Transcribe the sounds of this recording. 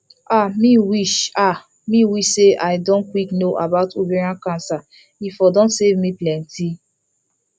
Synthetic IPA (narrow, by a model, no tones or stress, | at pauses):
amiwiʃa | miwiʃseʔaɪdɔ̃nkwiknoʔabaʊtoveɹãnkãnsa | ifɔdɔ̃ntsevmiplɛ̃nti